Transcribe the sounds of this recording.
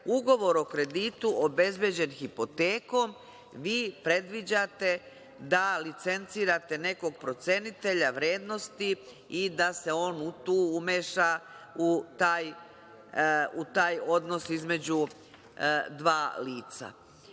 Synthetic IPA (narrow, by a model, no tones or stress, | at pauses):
uɡo̞ʋo̞ɾo̞kɾe̞d̪iːt̪uʔobe̞zbje̞d͡ʑe̞nxipo̞t̪eːko̞m | ʋiːpɾe̞d̪ʋid͡ʑat̪e̞ | d̪alit̪se̞nt̪siːɾat̪e̞ne̞ko̞ɡ̚pɾo̞t̪se̞nit̪e̞ʎaʋɾe̞ːd̪no̞st̪i | id̪ase̞o̞ːnut̪uːumeʃa | ut̪aːj | ut̪aːjo̞d̪no̞sizme̞d͡ʑu | d̪ʋaːliːt̪sa̰